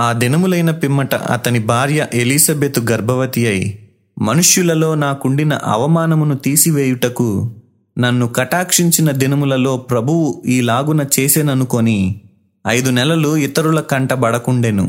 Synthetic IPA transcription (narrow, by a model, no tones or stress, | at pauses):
aːd̪inɐmulɐjnɐpimːɐʈɐ̰ʔɐ̰t̪ɐnibʱaːɾjɐʔelisɐbeːt̪uɡɐɾbʱɐʋɐt̪ijɐj | mɐnuʂjulɐlo̞ːnaːkuɳɖinɐ̰ʔɐ̰ʋɐmaːnɐmunut̪iːsiʋeːjuʈɐku | nɐnːukɐʈaːkʂiɲt͡ʃinɐd̪inɐmulɐlo̞ːpɾɐbʱuwuiːlaːɡunɐt͡ʃe̞ːseːnɐnuko̞ni | ɐjd̪unɛlɐluit̪ɐɾulɐkɐɳʈɐbɐɽɐkuɳɖe̞ːnṵ